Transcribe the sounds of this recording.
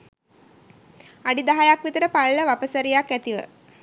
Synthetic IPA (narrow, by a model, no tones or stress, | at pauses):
aɖid̪aɦajakʋit̪əɾəpalːəʋapəsəɾijakːæt̪iʋə̰